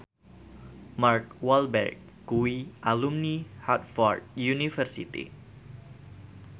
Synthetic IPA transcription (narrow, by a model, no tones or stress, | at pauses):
markwalbɛ̰rk̚ːuiʔalumnihat̪̚fɔrd̪̚junifɛrsḭt̪ḭ